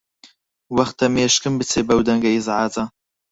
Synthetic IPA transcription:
wɐxt̪ɐmeːʃkɨmbɨt͡sʰeːbɐwd̪ɐŋɡɐjizʕaːt͡sa

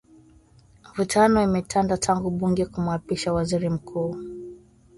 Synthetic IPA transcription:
vutʰanɔimɛtʰandatʰaŋɡuɓuŋɡɛkum̩apiʃawaziɾim̩kʰuː

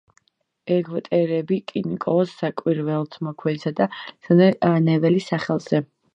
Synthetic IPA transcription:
ɛɡvt̪ʼɛɾɛbikʼinikʼɔsːakʼwiɾvɛlˠt̪ʰmɔkʰwɛnsad̪asanɛnɛvɛlisaχɛlˠz̥ɛ

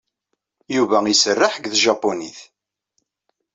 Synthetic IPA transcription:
juvæisərːaħɡðʒɑpːoniθ

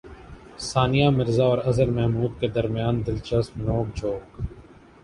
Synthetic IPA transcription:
saːnɪjamɪɾzaɔːɾɐzəɾmɛɦmuːd̪̚ked̪ɐɾmjaːnd̪ɪlt͡ʃəsmnoːkd͡ʒoːk

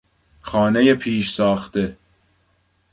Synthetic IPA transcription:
xɒːne̞jepʰiːʃsɒːxt̪e̞

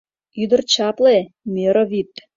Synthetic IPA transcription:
yd̪ə̆rt͡ɕɑple | meɾoβit̪

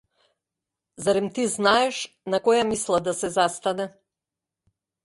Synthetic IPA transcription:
zaɾɛmt̪iznaɛʃ | nakɔjamislˠad̪asɛzast̪anɛ

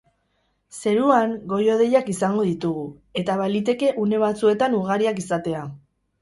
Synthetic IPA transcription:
se̞ɾuaŋɡo̞jo̞ð̞e̞jakisaŋɡo̞ðit̪uɣu | e̞t̪aβalit̪e̞ke̞ʔune̞β̞at͡sue̞t̪anuɣ̞aɾiakisat̪e̞a

